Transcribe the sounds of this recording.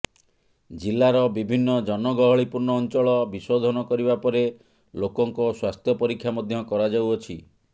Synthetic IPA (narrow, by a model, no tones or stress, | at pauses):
d͡ʒilːaɾɔbibʱinːɔd͡ʒɔnɔɡɔɦɔɭipuɾnɔːnt͡ʃɔɭɔbiswod̪ʱɔnɔkɔɾibapɔɾe | lokɔŋkɔswast̪ʰjɔpɔɾikʰːjamɔd̪ʱjɔkɔɾad͡ʒawɔt͡ʃʰi